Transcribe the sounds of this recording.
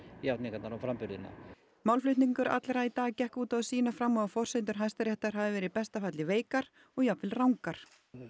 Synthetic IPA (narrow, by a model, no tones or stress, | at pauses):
jawt̪mɪkat̪naɾɔfɾampʏɾðɪna̰ | mawlflʏht̪niŋkʏɾa̰t̪lɾait̪aːɣcɛhkuːt̪aðsiːnafɾamːɔafɔr̥sejnt̪̬ʏɾ̥ɦajst̪aɾjɛht̪aɾ̥ɦaðɪvɛːɾɪðpɛst̪afat̪lɪveːjkaɾ | ɔɣjapvɪlrawŋkaɾ̥